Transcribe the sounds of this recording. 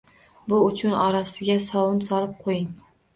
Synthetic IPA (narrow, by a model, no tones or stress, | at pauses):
bʊʊt͡ʃʰʊnɒɾasɪɡʲasɒwʊnsɒlɪp̚qʰojɪŋ